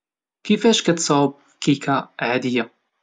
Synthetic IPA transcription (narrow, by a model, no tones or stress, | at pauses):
kɪfaːʃkat̪sˤɑːb̚ | kikʰaʔʕaːd̪ɪjːa